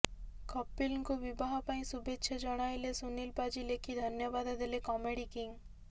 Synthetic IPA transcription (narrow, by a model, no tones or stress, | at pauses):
kɔpːilŋkubibaɦɔpaĩsubetːʃʰed͡ʒɔɽ̃ajlesunilpad͡ʑilekʰid̪ʱɔnjɔbad̪d̪elekɔmeɽikiŋ